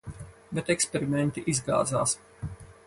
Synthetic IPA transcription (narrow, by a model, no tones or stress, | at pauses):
bɛt̪ɛkspeɾimɛnt̪iʔizɡa̰ːd̪za̰ːs